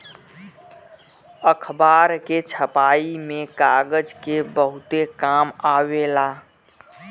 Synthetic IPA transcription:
əkʰbaːɾket͡ʃʰəpaːimẽkaɡəd͡ʒkebəɦʊt̪ekaːmaːwelaː

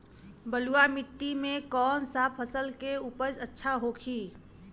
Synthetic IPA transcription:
bəluamɪʈːimẽkɔːnsapʰəsəlkeupəd͡ʒətːʃʰaɦoːkʰiː

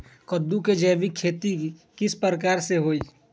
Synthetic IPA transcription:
kəd̪ːuked͡ʒɛːʋɪkʰːeːt̪ikɪspɾɾəkaːɾseɦoːiː

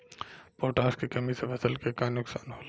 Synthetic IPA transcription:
poːʈaːskikɐmisefʰɐsəlkekaːnʊksaːnɦoːla

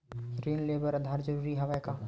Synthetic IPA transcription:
ɾiːnleːbəɾɐd̪ʱaːɾd͡ʒɐɾuːɾiɦɐʋajkaː

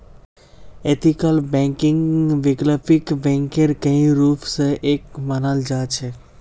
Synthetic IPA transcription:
et̪ikəlbɛ̃ŋkɪŋɡʋɪɡləpikbɛ̃ŋkeɾkəɦĩɾuːpʰseʔekmanəld͡ʒat͡ʃʰe

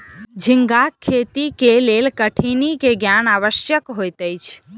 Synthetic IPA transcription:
d͡ʒʱiŋɡakʰːet̪ikelelkəʈʰinikeɡjanaʋəʃjəkɦojt̪əjt͡ʃʰ

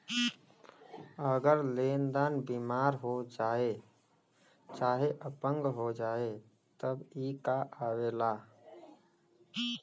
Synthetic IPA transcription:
əɡəɾleːnd̪aːnbiːmaːɾɦod͡ʒaːe | t͡ʃaːɦeʔəpə̃ŋɡɦod͡ʒaːe | t̪əbiːkaʔaːweːlaː

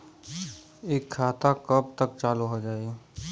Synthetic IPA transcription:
eːkʰːaːt̪akəp̚t̪ək̚t͡ʃaːluɦod͡ʒaːe

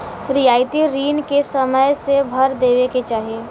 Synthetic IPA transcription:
ɾɪjaːɪt̪iɾiːnkesəməjsebʱɐɾd̪eːʋeket͡ʃaːɦieː

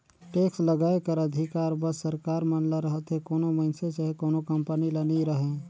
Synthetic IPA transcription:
ʈeːksləɡaːekəɾəd̪ʱɪkaːɾbəsːəɾkaːɾmɐnləɾəɦət̪ɦekoːnomɐɪnseseɦekoːnokɐ̃mpəniləniɾəɦẽ

